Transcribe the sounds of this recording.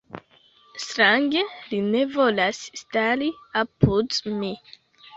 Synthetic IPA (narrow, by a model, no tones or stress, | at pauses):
stɾaŋɡe̞line̞volasːtaɾiapudmi